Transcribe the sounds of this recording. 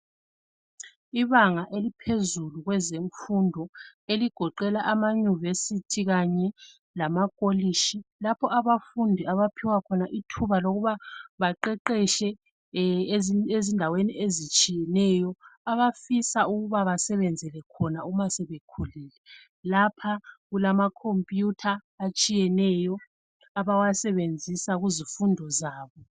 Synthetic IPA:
iβaŋaʔelipʰezuluɣwɛzeɱfundʱɔeliɡ̥ʱɔǃɛlaʔamaɲivesitʰiɣaɲɛ | lamakʼoliʃilapʰɔʔaβafundʱiaβapʰiwakʰɔnaʔitʰuβaloɣuβaβaǃɛǃɛʃɛ | ezindʱaweniezit͡ʃʼijɛnɛjɔaβafisauɣuβaβasɛβɛnd͡zʱɛlɛkʰɔnaumasɛβekʰuliːlɛ | lapʰaɣulamakʰompʼjutʰaː | t͡ʃʼijɛnɛjɔ | aβawasɛβend͡zʱisaɣuzifundʱɔzaːβɔ

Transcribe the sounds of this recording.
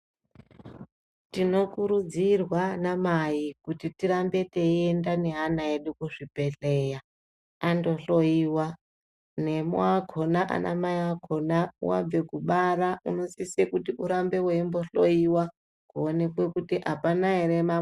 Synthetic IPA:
tino̞kuɾud͡zirwanamaikutitiɾambe̞teendane̞ɦanaeɗukuʐipe̞ɬeja | ando̞ɬo̞iːwa | ne̞moaɡʱo̞naʔa̰nʔa̰maiakonawa̰b͡ve̞kuɓaɾauno̞sisekutiʔuɾambe̞weimbo̞ɬoiwa | kuone̞kwe̞kutiʔapanaɦeɾema

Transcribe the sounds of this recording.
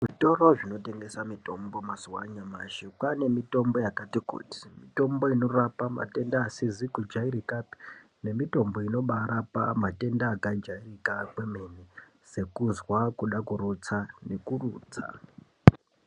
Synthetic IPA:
ʐito̞roʐino̞te̞ŋɡe̞samito̞mbo̞mazuwa̰ɲama̰ʃikane̞mito̞mbo̞jakatikṵti̥mito̞mbo̞ino̞rapama̰te̞ndaːsizikud͡ʒaiɾikapi̥ | ne̞mito̞mbo̞ino̞ɓaɾapamate̞ndaːkaid͡ʒairikakwemeni | se̞kuzwakuɗakurut͡sane̞kuruːt͡sa̰

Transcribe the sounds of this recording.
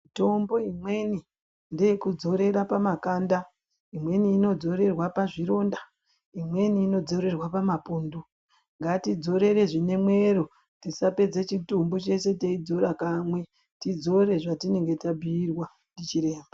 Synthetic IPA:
ito̞mbo̞imwe̞ni | nde̞jekud͡zo̞ɾe̞ɾapamakanda | imwe̞niːno̞d͡zo̞ɾe̞rwapaʐiɾo̞ːnda | imwe̞niːno̞d͡zo̞ɾe̞rwapamapoːndu | ŋɡatid͡zo̞ɾe̞ɾe̞ʐine̞mwe̞ɾo | tisape̞d͡zet͡ʃitumbo̞t͡ʃe̞se̞teid͡zoɾakamwe̞ | tid͡zo̞ɾe̞ʐatine̞ŋɡe̞tabʱiːrwa | ndit͡ʃiɾe̞ːmba

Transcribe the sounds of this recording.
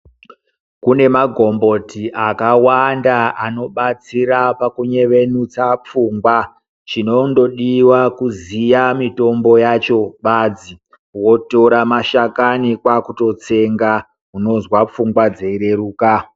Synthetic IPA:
kune̞maɡʱo̞mbo̞tiʔakawandaʔano̞ɓat͡siɾapakuɲe̞ʋe̞nut͡sap͡fuːŋɡwa | t͡ʃino̞ndo̞ɗiwakuzijamito̞mbo̞jat͡ʃo̞ɓad͡zi | wo̞to̞ɾamaʃakanikwakuto̞t͡se̞ŋɡa | ɦuno̞zwap͡fuŋɡwad͡ze̞iɾe̞ruːka

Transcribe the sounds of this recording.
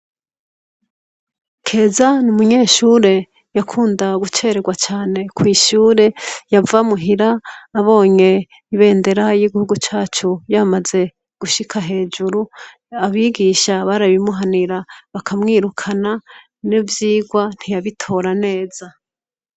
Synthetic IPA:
kʰe̞ːzanumuɲe̞ːʃuːɾe̞ | jakʰuːndaɡut͡ʃe̞ɾe̞ɡwat͡ʃaːne̞kwiːʃuːɾe̞javamuɦiɾaːβo̞ːɲe̞ | iβe̞ːnde̞ɾajiɡihuɡut͡ʃaːt͡ʃujamaze̞ | ɡ̥uʃikʰaɦe̞ːd͡ʒuɾu | aβiɡiːʃaβaɾaβimuɦaniɾaβakʰamŋiːɾukʰana | nivjiːɡwan̥hijaβitʰo̞ːɾane̞ːz̥a

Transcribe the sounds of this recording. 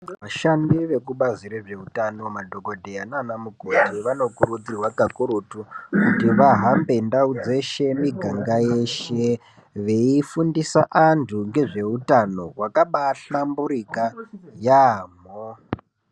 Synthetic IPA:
ʋaʃandiʋe̞kuɓaziɾeʐe̞utano̞madʱo̞ɡʱo̞dʱejananamuɡʱo̞tiʋano̞kuɾud͡zirwaɡʱakuɾutukutiʋaɦambe̞ndaud͡ze̞ʃe̞miɡʱaŋɡaje̞ʃe̞ | ʋe̞ifundisaʔantuŋɡe̞ʐe̞utano̞wakaɓaɬambuɾikajaːmo

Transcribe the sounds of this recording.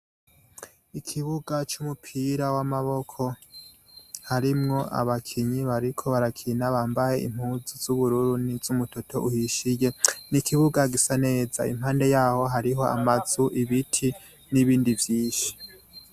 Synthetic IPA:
ikʰiβuɡat͡ʃumupʰiɾawamaβo̞kʰo̞ | haɾimŋo̞ʔa̰βakʰiɲiβaɾikʰo̞βaɾakʰinaβaːmbaje̞ʔḭm̥huːzuz̥uβuɾuːɾunizumuto̞tʰo̞ʔuhiʃijenikʰiβuɡaɡisane̞ːza̰ḭmhaːnde̞jaːho̞ɦaɾiɦo̞ʔa̰maz̥uʔiβitʰi | niβiːndivjiːnʃi̥

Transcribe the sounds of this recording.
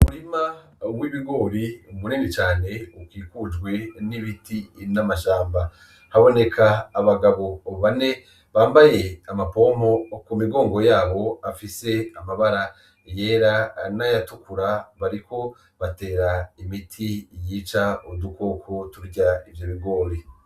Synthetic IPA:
umuɾima | wiβiɡo̞ːβiumuɾinit͡ʃaːne̞ukiːkud͡ʒɡwe̞niβitinamaʃaːmba | haβo̞ne̞kʰaːβaɡaβo̞ːβoβane̞ | βaːmbaje̞amapo̞mo̞kumiɡo̞ːŋɡo̞jaːβo̞afise̞amaβaɾa | jeːɾanajatukuɾaβaɾiko̞ | βate̞ːɾaimitʰijiːt͡ʃaoduko̞ːkʰo̞tuɾɟaivjoβiɡo̞ːβi

